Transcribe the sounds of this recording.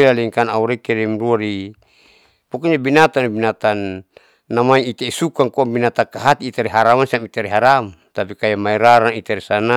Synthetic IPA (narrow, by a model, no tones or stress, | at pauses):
laliŋkanauɾɛkɛɾimruaɾi | pɔkɔɲabinat̪anibinat̪anː | amaiit̪aisukaŋkɔabinat̪akaɦat̪iːt̪aɾiɦaɾamansiamit̪aɾiɦaɾam | t̪apikajamaiɾaɾaŋit̪aɾisana